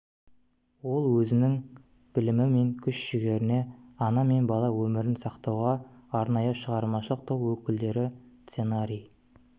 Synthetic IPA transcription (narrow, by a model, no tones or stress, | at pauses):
wo̞lˠwɵzɪnɪŋ | b̥ɪlɪmɪme̞ŋkʲʰʏʃʃɪɡʲe̞ɾɪne̞ɑnɑme̞nbɑlˠɑwɵmɪɾɪnsɑqt̪ɑwʁɑːɾnɑjəʃəʁɑɾmɑʃəlˠəq̚t̪ʰowwɵkʲɪld̪e̞ɾɪt̪senaɾʲij